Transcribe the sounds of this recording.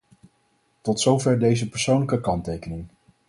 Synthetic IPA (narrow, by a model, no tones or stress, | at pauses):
tɔtsowvɛɹdejzəpəɹsownləkəkɑntejkənɪŋ